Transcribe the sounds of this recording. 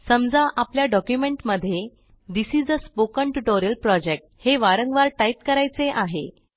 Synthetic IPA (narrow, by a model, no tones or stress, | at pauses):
səmd͡zaʔapljaɖɔkjumeɳʈməd̪ʱːje | d̪isid͡zəspokəɳʈuʈoɾijəlpɾɔd͡ʑek̚ʈheʋaɾəŋɡʋaɾʈaip̚kəɾajt͡seʔaɦḛ